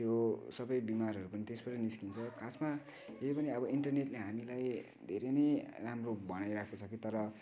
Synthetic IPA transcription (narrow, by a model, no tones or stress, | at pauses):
t̪josʌbʌjbimaɾɦʌɾupʌnit̪espʌsʌniskint͡sʰʌkʰasma | eipʌniʌbʌinʈʌrneʈleɦamilaj | d̪ʱeɾʌnʌjramrobʌɽajɾakʰkot͡sʰʌkit̪ʌɾʌ